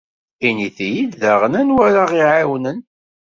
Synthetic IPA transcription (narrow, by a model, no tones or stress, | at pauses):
iniθijiððaʁənænwæɾaʁiʕawnən